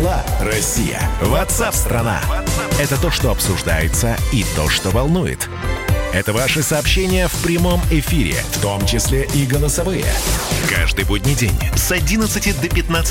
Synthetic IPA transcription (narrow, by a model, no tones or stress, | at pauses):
lˠaɾɐsʲːijə̰vɐt̪sapst̪ɾɐna̰ɛt̪ət̪o̞ʂt̪o̞ɐpsʊʐd̪ajɪt̪səit̪o̞̰ʂt̪o̞vɐlˠnujɪ̰t̪ | ɛt̪əvaʂɨsɐːpɕːenʲɪjəfpɾʲɪmo̞mɪfʲiɾʲɪ̰ft̪o̞mt͡ɕɪsʲlʲeʔiɡəlˠəsɐvɨjə̰kaʐd̪ɨjbodʲnʲɪjdʲḛnʲsɐdʲinət̪sɨtʲɪd̪əpʲɪt̪nat̪s